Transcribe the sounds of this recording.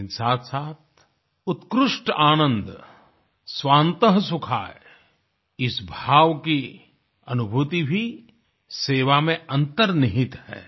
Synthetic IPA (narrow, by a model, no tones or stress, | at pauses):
nsaːt̪ʰsaːt̪̚ʰ | ʊt̪kɾʊʃʈaːnə̃nd̪ | sʋaːnt̪əɦsʊkʰa̰ːe | ɪsbʱaːʋki | ɐnʊbʱuːt̪ibʱi | seːʋamẽɐ̃nt̪əɾnɪɦɪt̪hɛ̰ː